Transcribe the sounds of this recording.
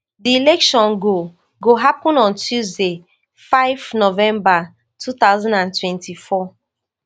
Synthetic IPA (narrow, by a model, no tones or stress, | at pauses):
diilɛkʃɔ̃nɡo | ɡoɦapɔ̃nɔ̃ntʰjuzde | faɪvnovɛ̃mba | tʰut̪aʊzãndãntwɛ̃ntʰifɔ